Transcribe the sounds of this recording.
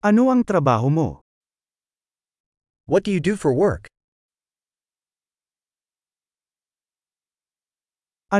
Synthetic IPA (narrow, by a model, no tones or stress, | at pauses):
ɐnoɐŋt̪ɾɐbaːɦomo̰ | wʌt̚d̥ɨjɨdɨfɔɹwɜ˞k | ɐ